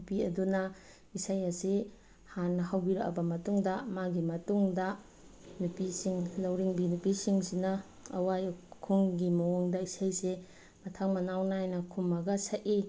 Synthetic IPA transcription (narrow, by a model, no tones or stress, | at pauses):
piɐdunɐ | isajɐsi | hanːɐhawbiɾɐkɐ̰bɐmɐtuŋdɐmaɡimɐtuŋdɐ | nupisiŋlɐwɾiŋbinupisiŋsinɐː | wajkʰuŋɡimɐwoŋdɐisajse | mɐtʰaŋmɐnawnaajnɐkʰumɐɡɐsaʔi